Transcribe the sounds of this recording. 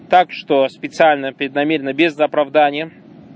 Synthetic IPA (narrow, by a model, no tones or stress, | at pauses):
t̪akʂt̪ospʲɪt̪sɨalʲnəpɾʲɪd̪nɐmʲeɾʲɪnːəbʲɪznəɐpɾɐvd̪anʲɪjə